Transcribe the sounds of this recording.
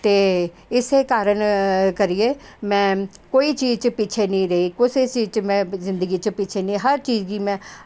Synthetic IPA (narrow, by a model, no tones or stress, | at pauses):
t̪eː | ɪseːkaːɾəɳkəɾieːmɛ̃ːkoːiːt͡ʃiːzt͡ʃəpiːt͡ʃʰeːnĩːɾeiːkʊseːt͡ʃiːt͡ʃmɛ̃ːzɪ̃nd̪əɡiːt͡ʃəpiːt͡ʃʰeːnĩːɦəɾt͡ʃiːzɡiːmɛ̃ː